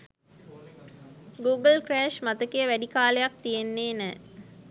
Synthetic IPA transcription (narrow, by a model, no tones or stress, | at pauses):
ɡuːɡəlkræːʃmat̪əkejəʋæɖikaːlejak̚t̪ijenːeːnɛː